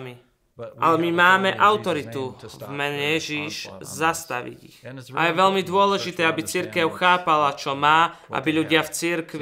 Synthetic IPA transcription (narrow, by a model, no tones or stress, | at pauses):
mi | ʔa̰lɛmimaːmɛʔaʊt̪ɔɾit̪uvmɛɲɛjɛʒiʃzast̪a̰ʋḭɟḭxʔa̰jɛʋɛʎmid̪ʊɔlɛʒit̪ɛːabit͡siɾkɛʊxaːpalat͡ʃɔmaːʔa̰biʎuɟɪaft͡siɾkʋi